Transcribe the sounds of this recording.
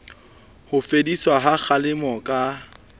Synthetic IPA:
hʊfediswaɦak͡xʰalɪmɔkʼa

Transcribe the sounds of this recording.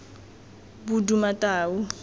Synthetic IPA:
budumatʼaːwu

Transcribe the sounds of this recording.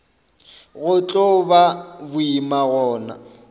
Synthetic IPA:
ɣʊt͡ɬʼɔbabʊimaɣɔːna̰

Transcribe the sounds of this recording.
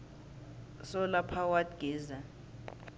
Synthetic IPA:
sɔlapʰawadɡ̥ʱɛːza

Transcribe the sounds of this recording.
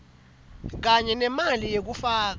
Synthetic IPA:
k̬aɲɛnɛmalijek̬ufaːk̬

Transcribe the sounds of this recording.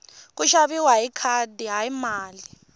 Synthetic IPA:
k̬ʼuʃaβiwaikʰadiɦaimaːli

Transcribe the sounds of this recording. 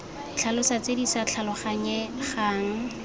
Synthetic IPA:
t͡ɬʰalʊsat͡sedisat͡ɬʰalɔχaɲɛχaːŋ̩

